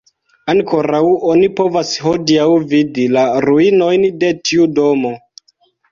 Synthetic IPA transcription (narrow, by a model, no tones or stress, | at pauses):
aŋko̞ɾawo̞nipo̞vasho̞diawvidilaɾuino̞jnde̞tʰiudo̞mo̞